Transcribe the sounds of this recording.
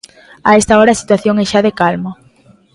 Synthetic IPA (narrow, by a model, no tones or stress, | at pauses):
aɛst̪aɔɾaːsi̥t̪waθjoŋɛʃaðekalmo